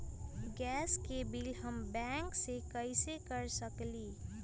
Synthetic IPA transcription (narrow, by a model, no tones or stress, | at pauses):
ɡɛskebilɦəmbɛŋksekəjsekəɾsəkli